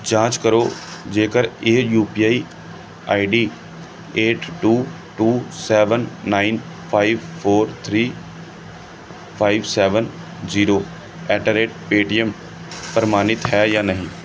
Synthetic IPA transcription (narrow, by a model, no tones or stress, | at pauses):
d͡ʒãːt͡ʃkəɾoːd͡ʒeːkəɾeːjuːpiːaːi | a̰ːiɖiː | eːʈʈuː | ʈuːsɛːʋənːaːɪn | pʰaːɪʋpʰoːɾt̪ʰɾiː | pʰaːɪʋsɛːʋən | ziːɾoː | ɛːʈəɾeːʈ̚peːʈijəm | pəɾmaːnɪt̪ɦɛːjaːnəɦĩː